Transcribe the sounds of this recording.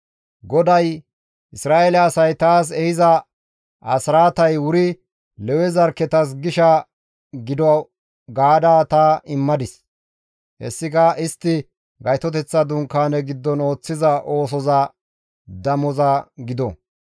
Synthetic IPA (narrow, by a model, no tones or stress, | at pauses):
ɡɔd̪ɐj | ʔɪsɾaːʔelɛɐsɐjt̪aːs̬ɛhɪzɐ | ʔɐsɾaːt̪ɐjwʊɾɪ | lɛwɛzɐɾkːɛt̪ɐs̬ɡɪʃɐ | ɡɪd̪ɔ | ɡaːd̪aːt̪aːɪmːɐd̪ɪs | hɛ̰sːɪkɐʔɪst̪ːɪ | ɡɐjt̪ɔt̪̬ɛt͡sːɐd̪ʊŋkːaːnɛɡɪd̪ːɔno̞ːt͡sːɪzɐʔo̞ːs̬ɔzɐ | d̪ɐmɔzɐɡɪd̪ɔ̰